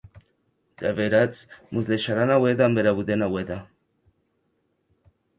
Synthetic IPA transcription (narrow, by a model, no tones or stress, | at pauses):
d̪̥aβeɾat͡smuzðeʃaɾanaweðambeɾaβuðenaweða